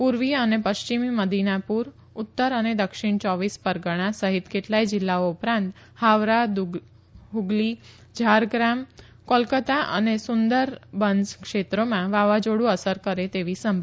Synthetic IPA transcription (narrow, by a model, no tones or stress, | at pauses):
puɾʋiənepəʃt͡ʃimiməd̪ʱinapuɾ | ʊt̪ːəɾəned̪əkʃɪɳ̃t͡ʃɔʋispəɾɡəɽ̃asəɦit̪keʈlaid͡ʒɪlːaoupɾãnt̪ | haʋɾad̪ | ɦuɡli | d͡ʒʱaɾɡɾam | kolkət̪aʔə̰nesʊnd̪əɾbənskʃet̪ɾomãʋaʋad͡ʒoɽũəsəɾkəɾet̪eʋisəmbʱ